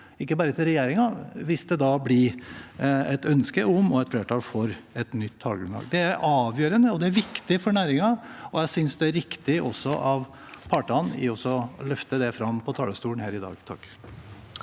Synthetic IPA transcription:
ɪkːəbɑːɾət̪ʰɪlɾɛjeːɾɪŋɑʋɪsd̪ɛd̪ɑblɪ | ɛt̪œnskəʔɔmɔɛt̪fleːʈʰɑːlfɔɾɛt̪nʏt̪ʰːɑːlɡʉmlɑ̰ːɡd̪ɛæɾʔɑːʋjøːɾənəɔd̪ɛæɾʋɪkt̪ɪfɔɾɳæːɾɪŋɑɔjæɪsʏnsd̪ɛæɾʋɪkt̪ɪʔɔsːɔʔɑʋ | pʰɑːʈəɑnɪ̰ɔsɔlœft̪əd̪ɛfɾɑmːpʰɔt̪ʰɑːləst̪uːənhæːɾɪd̪ɑ̰ːɡt̪ʰɑ̰kː

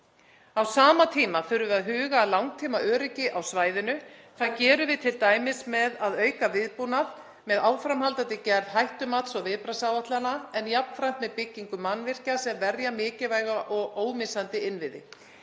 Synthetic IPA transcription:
awsaːmat̪ʰiːmafœɾʏvɪaðɦʏːɣaːlawŋ̚t̪ʰiːmaʔœːɾɪcɪʔawsvaːjðɪnʏ | θaðcɛːɾʏvɪðt̪ʰɪlt̪aːjmɪsmɛðaðœːɥkavɪðpunað | mɛðaːwfɾamhalt̪ant̪ɪcɛɾð̥ɦajht̪ʏmat̪sɔɣvɪðpɾasawaht̪lanaɛnjapnfɾaht̪mɛðpɪcːiŋkʏmanːvɪr̥casɛmvɛɾjamɪːcɪvaːjɣaʔɔɣoːwmɪsant̪ɪɪnvɪðɪ̰

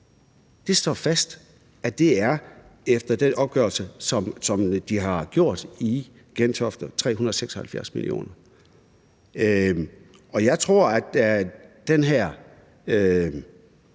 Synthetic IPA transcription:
d̥e̝sd̥ɒ̰ːfæsd̥ | ʔæd̥e̝æɐefd̥ɐd̥enʔɒ̽b̥ɡ̥œɐlsəsɒ̽msɒ̽md̥iɦɑ̈ɡ̥jo̝ɐ̰d̥i | ɡ̥ent͡sʰɒ̽fd̥ɐt͡sʰʁɛ̰ːunɐðˠseɡ̥sɒ̽hælfjæɐsmḭlḭo̝̰ːnɐ | ø | ɒ̽jɑ̈ɪt͡sʰʁo̝ɐ̰æ̥ | d̥enɦæɐ̰ | ø

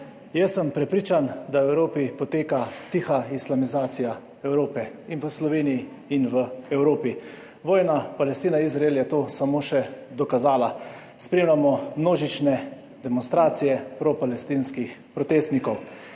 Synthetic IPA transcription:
jɛsːəmpɾɛpɾiːt͡ʃand̪awɛwɾoːpipɔt̪eːkat̪ixaislamizaːt̪sija | ɛwɾoːpɛinʋəslɔʋeːnijiː | nʋəɛwɾoːpi | ʋɔːjnapalɛst̪iːnaizɾaeljɛt̪oːsamoːʃɛd̪ɔkazaːla | spɾeːmlʲamɔmnoːʒit͡ʃnɛ | d̪ɛmɔnst̪ɾaːt̪sijɛpɾɔpalɛst̪iːnskixpɾɔt̪eːst̪nikɔw

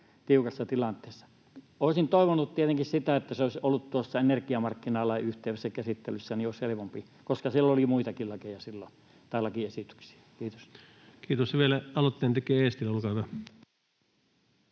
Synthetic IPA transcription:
t̪iukɑsːɑt̪ilɑnt̪ˑeːsːɑ̥ | oˑisint̪oˑeʋonut̪t̪iet̪eŋkissit̪æet̪ːæseoˑesʲolːut̪t̪uosːɑenerkiɑmɑrkːinɑˑlɑˑiyht̪ˑeˑʋesːækæsit̪ːelysːænioˑishelepompi | koskɑsilːolimuit̪ɑkilɑkejɑsilːo̰ | t̪ɑˑlːɑkiesit̪y̥ksi̥æ̥kiːt̪os | kiːt̪osʋielæɑlot̪ːeːnt̪ekˑeːeːˑst̪ilːæolkɑyʋæ

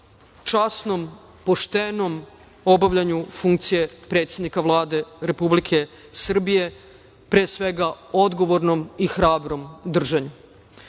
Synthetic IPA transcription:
t͡ʃasno̞m | po̞ʃt̪eno̞m | o̞baʋʎaɲufuŋkt̪sije̞pɾe̞ːt̪sjed̪nikaʋlˠaːd̪e̞ɾe̞publikʰe̞ | sr̩bije̞ | pɾe̞ːsʋe̞ɡao̞d̪ɡo̞ʋo̞ɾno̞mixɾaːbɾomd̪r̩ʒaɲu

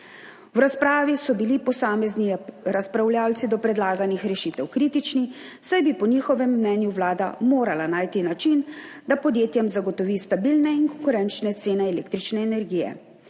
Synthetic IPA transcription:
wɾaspɾaːʋisɔbilipɔsaːmɛzniɾaspɾawljaːwt̪sid̪ɔpɾɛd̪laːɡanixɾɛʃiːt̪ɛwkɾiːt̪it͡ʃni | sajbipɔniːxɔʋɛmːnɛːnjuʋlaːd̪a̰moːɾalanaːjt̪inat͡ʃin | d̪apɔd̪jeːt̪jɛmzaɡɔt̪ɔʋiːst̪abilnɛiŋkɔŋkuɾɛnt͡ʃnɛt̪seːnɛːleːkt̪ɾit͡ʃnɛːnɛɾɡiːjɛ̰

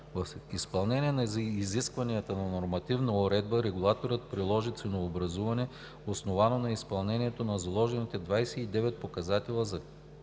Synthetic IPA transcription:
vɐfispɐlˠnɛniɛnɐziziskvɐniɐt̪ənɐnoɾmɐt̪ivnəoɾɛd̪̚bəɾɛɡʊlˠat̪oɾət̪̚pɾilˠɔʒit̪sɛnoːbɾɐzuvɐnɛ | osnovanonɐispɐlˠnɛnʲiɛt̪onɐzɐlˠɔʒɛnit̪ɛd̪vajsɛid̪ɛvɛt̪̚pokɐzat̪ɛlˠəzɐ

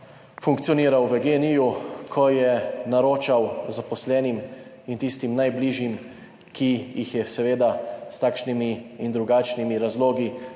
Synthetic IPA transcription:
fuŋkt̪siɔniːɾawʋəɡeːnijukʰɔjɛnaɾoːt͡ʃawzapɔslɛːnim | int̪ist̪imnajbliʒjim | kʰijixjɛsɛʋeːd̪ast̪aːkʃnimiːnd̪ɾuɡaːt͡ʃnimiɾazloːɡi

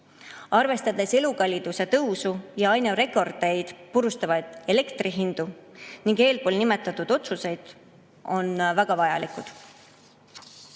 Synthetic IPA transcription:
ɑrve̞st̪ɑd̪̥e̞se̞lukɑlʲid̪̥use̞t̪ɤwsujɑɑjneɾe̞kːˑo̞rd̪̥ejd̪̥puɾust̪ɑvɑjd̪̥e̞le̞kt̪riɦind̪̥uniŋɡ̥e̞ːlpo̞ːlnimet̪ːˑɑt̪ːˑud̪̥o̞t̪suse̞jd̪̥ | o̞nvæɡ̥ɑvɑjɑlikˑud̪̥

